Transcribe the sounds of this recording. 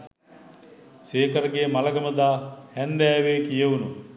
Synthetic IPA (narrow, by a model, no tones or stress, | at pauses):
seːkɐɾɐɡeːmalɐɡɐməd̪aːhɛnd̪æːʋeːkijəunu